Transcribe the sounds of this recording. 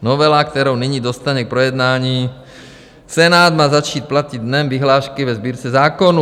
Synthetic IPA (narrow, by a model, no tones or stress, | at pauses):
novɛlakt̪ɛɾowniɲiːdo̞st̪aɲɛk̚pɾojɛd̪naːɲiː | t͡sɛnaːd̪maːzat͡ʃiːt̪̚placid̪̚dnɛmvɪɦlaːʃkɪvɛzbiːɾt͡sɛzaːkonu